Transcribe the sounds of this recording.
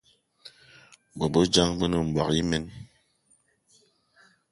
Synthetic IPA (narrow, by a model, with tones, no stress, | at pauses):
bɔ˨bo˦d͡ʒa˦ŋbə˦nə˨m̩˨ba̰˨ki˦me˦n